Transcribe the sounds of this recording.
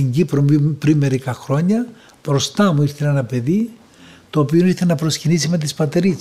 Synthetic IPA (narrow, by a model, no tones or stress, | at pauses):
ɲɟipɾopɾinme̞ɾikɐxɾo̞ɲɐ | pɾo̞st̪ɐmuiɾθe̞lenɐpe̞ði | t̪o̞ːpio̞iɾθenɐpɾo̞scinisime̞t̪̬ispɐt̪eɾis